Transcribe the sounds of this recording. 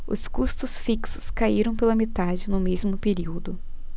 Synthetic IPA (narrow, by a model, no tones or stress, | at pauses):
ʊ̰skust̪ʊsfiksʊ̥skaiɾɐ̃w̃pelɐmet̪ad͡ʒɪnʊmezmʊpeɾiwd̪ʊ